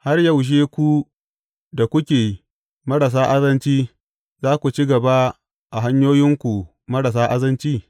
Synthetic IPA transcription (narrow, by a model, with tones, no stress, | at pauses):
ha˦rjɐ˦wʃ̬eː˦kʷu˦ | da˨kʷʊ˦kʲeː˨i˦ | mɐ˦ɾa˨s̬aː˦ʔa˦zɐ˦nt͡ʃiː˦ | zaː˦kʷu˨t͡ʃi˦ɡɐ˨ba˦ | ʔa˨ɦa˦ɲjoː˦jɪ˦ŋkʷu˨ | mɐ˦ɽa˨s̬aː˦ʔa˦zɐ˦nt͡ʃiː˦